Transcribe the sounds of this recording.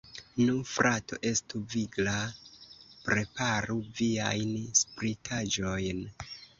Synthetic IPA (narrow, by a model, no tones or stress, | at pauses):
nufɾʔato̞̰ʔe̞stuviɡla | pɾe̞paɾuviajnspɾitʰad͡ʒo̞jn